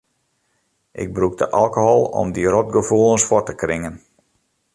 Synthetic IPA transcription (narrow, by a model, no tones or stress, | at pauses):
ʔɪ̰ɡ̚bruk̚də̰ʔalˠkohɔlˠɔ̰mdiɾot̚ɡəfulˠənsfɔrtəkrɪŋən